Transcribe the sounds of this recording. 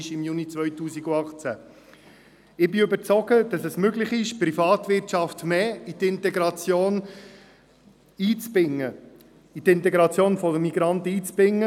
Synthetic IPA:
ʃɪmjunit͡sʋœjtuːsiɡuɑχt͡sæ | ɪbɪøbəɾt͡sɔɡəd̥ɑsɛsmøɡlɪχɪʃprifɑːt̪ʋɪɾtt͡ʃɑftmeːit̪ɪntɛɡɾɑt͡sjoːn | iːt͡sbɪŋːə | it̪ɪntɛɡɾɑt͡sjoːnfɔdəmiɡɾɑntiːt͡sbɪŋːə

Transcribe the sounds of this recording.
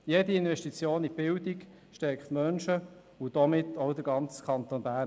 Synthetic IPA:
jediɪnʋɛʃtit͡sjoːnib̥ɪldik | ʃtɛɾkχt̪mœnʃə | ud̥ɔmɪtːɔʊd̥əɾɡɑnt͡skʰɑnt̪onbæː

